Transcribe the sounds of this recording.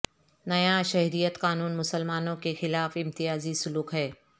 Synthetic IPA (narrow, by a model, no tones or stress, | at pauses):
nɐjãʃɐɦɾijət̪kaːnuːnmʊsəlmaːnõkexɪlaːfɪ̃mt̪ijaːzisʊluːkɦɛː